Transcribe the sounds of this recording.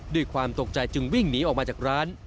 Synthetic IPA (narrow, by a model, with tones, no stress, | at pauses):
doː˧˩jkʰwaː˧mt̪o˨˩k̚t͡ɕa˧jt͡ɕɯ˧ŋwi˥˩ŋniː˦˥ʔɔː˨k̚maː˧t͡ɕaː˨˩k̚ɾaː˦˥n